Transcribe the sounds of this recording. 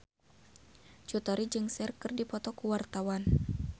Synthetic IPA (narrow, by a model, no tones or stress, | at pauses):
t͡ʃut̪ɔɾid͡ʒɨŋsɛrkɨrdipɔt̪ɔkuwart̪awan